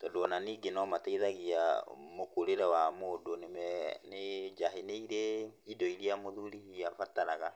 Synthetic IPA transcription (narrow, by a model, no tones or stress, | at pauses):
tɔdɔnaniːɡenɔmatɛiðaɣia̰mokoɾeɾɛwamoːdonemɛned͡ʒaɦeneiɾeidɔiɾiamoðuɾihiafataɾaɣa